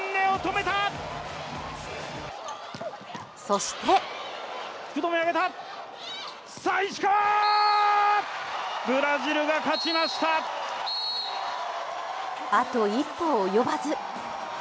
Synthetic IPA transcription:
nːẽ̞ot̪o̞me̞t̪a | so̞ɕi̥t̪e̞ | t͡skɯt̪o̞miaɡe̞t̪a | saiɕi̥ka | bɯ̟ɾaʑiɾɯ̟ɡakat͡ɕimaɕi̥t̪a | at̪o̞ipːoːjo̞bazɨ

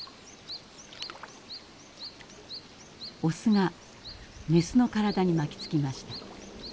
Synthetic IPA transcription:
osɨŋa | mesɨno̞kaɾad̪aɲ̟imakʲi̥t͡sɨ̥kʲimaɕi̥t̪a

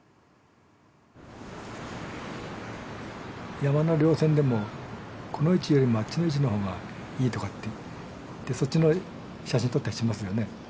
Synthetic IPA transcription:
jamanoɾʲo̞ːsẽ̞nd̪e̞mo̞ko̞no̞it͡ɕijo̞ɾʲimoat͡ɕːino̞it͡ɕ̬ino̞ɦo̞ːɡa | iːt̪o̞kat̪ːe | t̪ːe̞so̞tt͡ɕːino̞ | ɕaɕĩnt̪o̞t̪ːɕimasɨjo̞ne̞

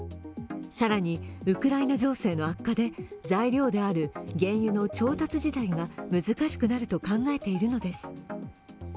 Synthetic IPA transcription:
saɾaɲ̟iɯ̟kɯ̟ɾainaʑo̞ːse̞ːno̞akːad̪e̞zaiɾʲo̞ːd̪e̞aɾɯ̟ɡẽ̞ɰ̃jɯ̟no̞t͡ɕo̞ːt̪at͡sɨʑit̪aiɡamɯ̟zɨkaɕi̥kɯ̟naɾɯ̟t̪o̞kãŋɡae̞t̪e̞iɾɯ̟no̞d̪e̞sɨ̥

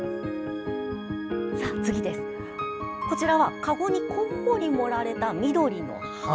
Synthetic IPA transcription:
sat͡sɨɡʲid̪e̞sɨ̥ | ko̞t͡ɕiɾaβakaɡo̞ɲ̟ikʰõhoɲ̟ʲimo̞ɾaɾe̞t̪amʲid̪o̞ɾʲino̞̰

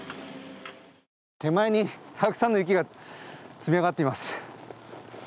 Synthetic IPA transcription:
t̪e̞maeɲ̟it̪ʰakɯ̥sãnːoji̟kʲiɡa | t͡sɨmʲiaɣat̪ːe̞imasɨ̥

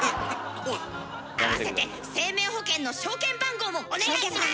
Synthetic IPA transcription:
aβasset̪e̞ | se̞ːmẽ̞ːho̞kẽnːo̞ɕo̞ːkẽ̞mbãŋɡo̞ːmone

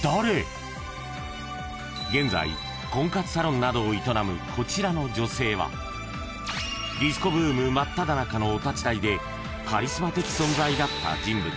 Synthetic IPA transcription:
d̪̥aɾe̞ | ɡẽ̞nd͡za̰ḭ | kõ̞ŋkat͡sɨ̥saɾõ̞nːad̪o̞ːit̪o̞namɯ̟kʰo̞t͡ɕiɾano̞d͡ʑo̞se̞ːβa̰ | ɾʲisɨ̥ko̞bɯ̟ːmɯ̟mat̪ːad̪anakano̞ːt̪at͡ɕid̪aid̪e̞ | kaɾʲisɨmat̪e̞ki̥sõ̞nzaid̪at̪ːa̰d͡ʑĩmbɯ̟

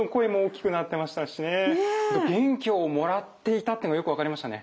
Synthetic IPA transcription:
oko̞emoːkʲːi̥kɯ̟nat̪ːe̞maɕi̥t̪aɕinet̪ɡẽ̞ŋkʲoːmo̞ɾat̪ːe̞it̪at̪ːenoajo̞kɯ̟βakaɾimaɕi̥t̪ane̞̰

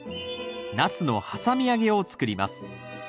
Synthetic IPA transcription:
nasɨno̞̰hasamʲiaɡe̞o̞t͡sɨ̥kɯ̟ɾʲima̰sɨ̥

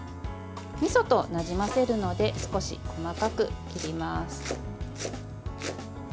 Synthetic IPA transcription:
mʲiso̞t̪o̞naʑimase̞ɾɯ̟no̞d̪e̞sɨ̥ko̞ɕḭko̞makakɯ̟kʲiɾʲimasɨ̥

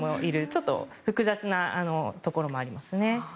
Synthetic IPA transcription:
moʔiɾɯ̟t͡ɕo̞t̪ːo̞̰ɸɯ̟kɯ̟zat͡sɨnaano̞t̪o̞ko̞ɾo̞mo̞aɾʲimasɨne̞

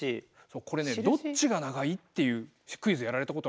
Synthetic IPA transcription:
i | so̞ːko̞ɾe̞ned̪o̞t͡ɕiɡanaɡait̪ːe̞jɯ̟ː | ɕi̥kɯ̟izɨjaɾaɾe̞t̪ako̞t̪o

